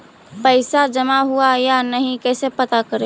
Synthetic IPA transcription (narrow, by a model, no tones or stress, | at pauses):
pəɪsad͡ʒəmaɦuajanəɦĩkɛsepət̪akəɾe